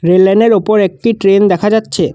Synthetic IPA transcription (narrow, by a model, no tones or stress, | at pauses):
ɾelːɛneɾopoɾɛk̚ʈiʈɾend̪ɛkʰad͡ʑatːɕʰe